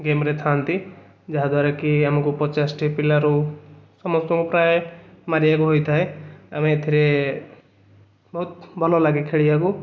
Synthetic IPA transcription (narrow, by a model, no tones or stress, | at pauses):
ɡemɾet̪ʰant̪i | d͡ʒaɦad̪waɾekiamakupɔt͡ʃasʈʰipilaɾusɔmɔst̪ɔŋkupɾajemaɾijakuɦojt̪ʰaeamẽt̪ʰiɾe | bɔɦut̪̚bʱɔlɔlaɡekʰeɽijaku